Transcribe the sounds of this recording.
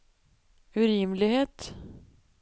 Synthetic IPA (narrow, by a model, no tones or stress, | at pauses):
ʉɾɪːmlɪɡheːt̪